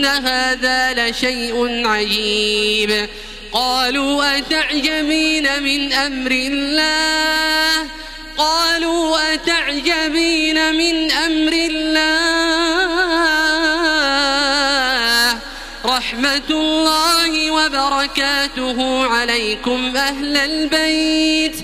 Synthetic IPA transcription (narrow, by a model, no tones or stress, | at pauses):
aɦaːðaːlaʃajʔʊnʕad͡ʒiːb | qɑːluːʔat̪aʕd͡ʒabiːnamɪnʔamɾɪlːaːh | qɑːluːʔat̪aʕd͡ʒabiːnamɪnʔamɾɪlːaː | h | ɾˤɑħmat̪lːaːhɪwabɑɾˤɑkaːt̪ʊɦʊʕalajkʊmʔaɦlalbajt̪